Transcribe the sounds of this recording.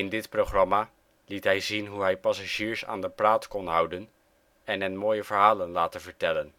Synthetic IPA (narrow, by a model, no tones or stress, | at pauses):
ɪndɪtprowχrɑmaː | litɦɛjzinɦuɦɛjpɑsaʒiːɹsa̰ːndəpraːtkɔnɦʌwdən | ɛnənmoːjəvəɹɦaːlənlaːtəvəɹtɛlən